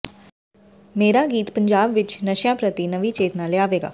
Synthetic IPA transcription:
meːɾaɡiːt̪pə̃ɲd͡ʒaːbʋɪt͡ʃnəʃjãːpɾət̪inəʋit͡ʃeːt̪naleaːʋeːɡa̰ː

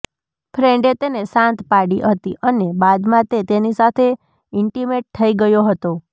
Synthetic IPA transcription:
fʰɾeɳɖet̪enesãnt̪paɽiɦət̪iʔənebad̪mãt̪et̪enisat̪ʰe | ɪɳʈimeʈ̚t̪ʰəiɡəjoɦət̪o

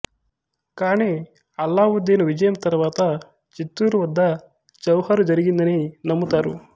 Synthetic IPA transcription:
kaːɳe | ɐlːaːʋud̪ːeːnuʋid͡ʒɐjɐmt̪ɐɾʋaːt̪ɐ | t͡ʃit̪ːuːɾuʋɐd̪ːɐ | t͡ʃɐwhɐɾud͡ʒɐɾiɡind̪ɐnenɐmːut̪aːɾu

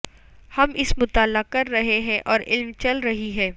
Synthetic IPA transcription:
hɐmʔɪsmʊt̪aːlːakɐɾːɐɦeɦɛ̃ʔɔːɾɪ̰lmt͡ʃɐlɾɐɦiɦɛ̃ː

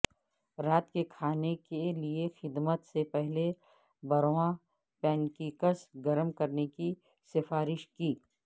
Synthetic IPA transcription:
ɾaːt̪kekʰaːnekeliexɪd̪mət̪sepɛɦle | bɐɾwã | pɛ̃ːnkiːkəsɡɐɾəmkɐɾneki | sɪfaːɾɪʃkiː

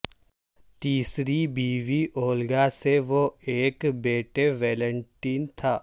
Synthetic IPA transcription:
t̪iːsɾibiːʋiʔoːlɡaseʋoeːkbeːʈeʋɛːlə̃ɳʈiːnt̪ʰaː

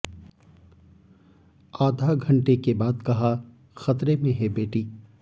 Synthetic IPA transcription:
aːd̪ʱaɡʱɐ̃ɳʈekebaːd̪kɐɦa | xɐt̪ɾemẽɦɛbeːʈiː

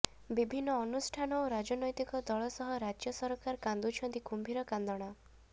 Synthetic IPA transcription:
bibʱinːɔːnusʈʰanɔwɾad͡ʒɔnɔjt̪ikɔd̪ɔɭɔsɔɦɔɾad͡ʒjɔsɔɾɔkaɾkand̪ut͡ʃʰɔnt̪ikumbʱiɾɔkand̪ɔɽ̃a

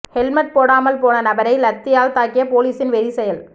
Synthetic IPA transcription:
hɛlmɐʈ̚poːɽaːmɐlpoːnɐnɐbɐɾɐɪlɐt̪ːɪjaːlt̪aːkːɪjɐpoːliːsɪnʋɛɾɪsɛjɐl

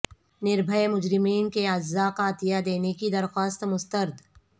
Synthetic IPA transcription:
nɪɾbʱəemʊd͡ʒɾɪmiːnkead͡ʒaqat̪ijad̪eːnekid̪ɐɾxaːst̪mʊst̪əɾd̪ʱ

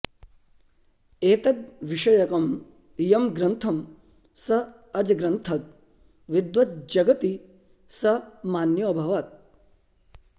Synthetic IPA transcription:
eːt̪ɐd̪̚ʋiʂɐjɐkɐm | jɐmɡɾɐnt̪ʰɐm | sɐ | ɐd͡ʒɐɡɾɐnt̪ʰɐt̪̚ | ʋid̪ʋɐt̪̚d͡ʒɐɡɐt̪i | sɐmaːnjɐːbʱɐʋaːt̪̚

